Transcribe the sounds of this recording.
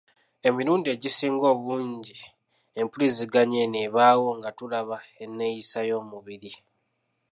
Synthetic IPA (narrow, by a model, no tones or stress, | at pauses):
e̞miɾuːndie̞ɟisiːŋɡo̞ːβuːɲɟi | e̞mpuliziɡaɲe̞neβaːwo̞ŋɡatulaβae̞nːe̞jisajo̞ːmuβiɾi